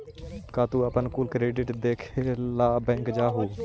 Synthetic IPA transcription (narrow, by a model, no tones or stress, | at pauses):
kaːt̪uːəpənkuːlkɾeːɖɪʈd̪eːkʰelaːbɛ̃ːŋkd͡ʒaːɦuː